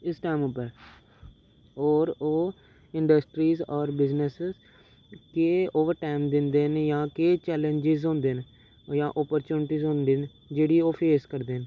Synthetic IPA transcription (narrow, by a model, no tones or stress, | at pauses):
ɪsʈaːmʊpːəɾ | ɔːɾoː | ɪɳɖəsʈɾiːzɔːɾbɪznəsz | keːoːʋəɾʈaːɪmd̪ɪnd̪eːnjãːkeːt͡ʃɛːlə̃ɲd͡ʒɪzɦõːnd̪eːn | jãːʔɔːpəɾt͡ʃuːnɪʈiːzɦõːnd̪eːn | d͡ʒeːɽiːoːpʰeːskəɾd̪eːn